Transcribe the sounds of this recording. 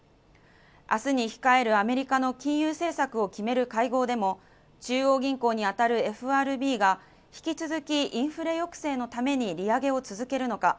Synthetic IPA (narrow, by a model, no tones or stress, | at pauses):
a̰sɨɲ̟içi̥kae̞ɾɯ̟ame̞ɾʲikano̞kʲĩɰ̃jɯːse̞ːsakɯ̟o̞kʲime̞ɾɯ̟kaiɡo̞ːd̪e̞mo̞ | t͡ɕɨːo̞ːɡʲĩŋkoːɲ̟iat̪aɾɯ̟e̞ɸɯ̟aːɾɯ̟bʲiːɡa | çi̥kʲit͡sɨzɨkʲiʔĩɰ̃ɸɯ̟ɾe̞jo̞kɯ̟̥se̞ːno̞t̪ame̞ɲ̟iɾʲiaɡe̞o̞t͡sɨzɨke̞ɾɯ̟no̞ka